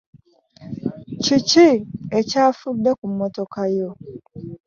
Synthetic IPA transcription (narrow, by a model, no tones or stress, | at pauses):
ciciecaːfudːekumːotokajo